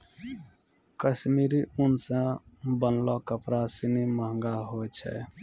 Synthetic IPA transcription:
kəsmiɾiunsãbənlɔkəpɾasiniməɦə̃ŋɡaɦot͡ʃʰɛ̰

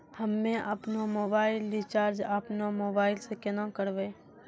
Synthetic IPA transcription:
həmːẽʔɐpnomoːbaːɪlːit͡ʃaːɾd͡ʒapnomoːbaːɪlsekenãkəɾʋeː

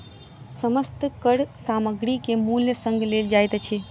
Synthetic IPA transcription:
səməst̪kəɽsaməɡɾikemuljəsə̃ŋɡʱleld͡ʒajt̪t͡ʃʰe

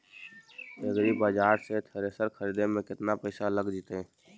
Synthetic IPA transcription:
eɡɾibaːd͡ʒaːɾset̪ʰəɾesəɾkʰəɾiːd̪emẽkɪt̪napəɪsaləɡd͡ʒit̪e

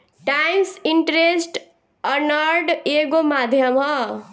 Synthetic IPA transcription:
ʈajmsiɳʈɾesʈ | ʌnʌɾɖeɡomad̪ʱjʌmʌ

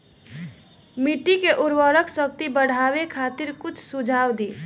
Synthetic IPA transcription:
miʈikeʔuɾwəɾəksək̚t̪ibəɽ̤ʱabekʰat̪iɾkut͡ʃʰsud͡ʒʱawd̪i

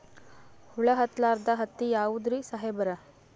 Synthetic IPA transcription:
huɭɐɦɐt̪laːɾd̪ɐɦɐt̪ːijaːʋud̪ɾisɐɦebɐɾɐ

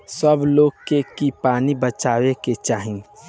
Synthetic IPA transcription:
səbloːɡkekipaːnibət͡ʃaːweket͡ʃaːɦĩ

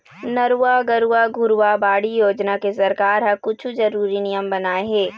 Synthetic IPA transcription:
nɐɾuaɡɐɾuwaɡʱʊɾuwabaːɽijoːd͡ʒnakesɐɾkaːɾɦɐ̃kʊt͡ʃʰud͡ʒɐɾuːɾinijəmbɐnaːeɦɛː

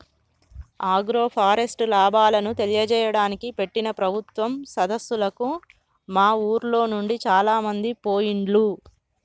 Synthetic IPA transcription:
aːɡɾo̞ːpʰaːɾesʈlaːbaːlɐnut̪elijɐd͡ʒɛːjɐɽaːnikipe̞ʈːinɐpɾɐbʱut̪ʋɐmsɐd̪ɐsːulɐku | maːuːɾlo̞ːnuɳɖit͡ʃaːlaːmɐnd̪ipoːjiɳɖlu

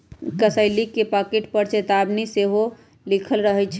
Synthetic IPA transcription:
kəsəɪlikːepakeʈpəɾt͡ʃet̪abniseɦo | likʰəlɾəɦɛt͡ʃʰ

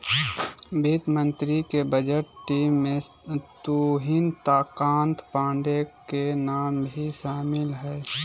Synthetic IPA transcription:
biːt̪mə̃nt̪ɾikebəd͡ʒəʈʈiːmːẽt̪uːɦɪnt̪aːkaːnt̪pãːɳɖekenaːmbʱiʃaːmɪlɦɛː

